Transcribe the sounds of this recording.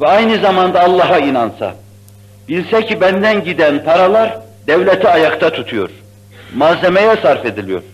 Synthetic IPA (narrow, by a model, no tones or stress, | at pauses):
vɛajnɯzamand̪aːlˠːɑɦainansa̰ | bilʲsɛcʰibænd̪ænɟid̪ænpʰaɾalˠaɾ | d̪ɛvlʲɛt̪ʰiajakt̪ʰat̪ʰut̪ʰujo̰ɾ̥ | mazemejɛsaɾfe̞d̪ilʲijo̞̰ɾ̥